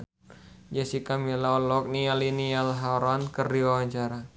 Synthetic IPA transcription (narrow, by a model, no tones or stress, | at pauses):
d͡ʒasikamilaɔlɔk̚nialinialɦaɾɔnkərdiwawaɲt͡ʃaɾa